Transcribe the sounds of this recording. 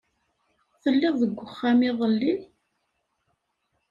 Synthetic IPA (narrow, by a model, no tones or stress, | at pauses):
θəlːɪððəɡʷːəχːamiðˤəlːi